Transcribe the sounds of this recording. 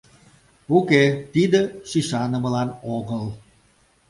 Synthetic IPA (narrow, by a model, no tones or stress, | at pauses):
uket̪id̪əʃiʃɑnəməlɑnoɣəl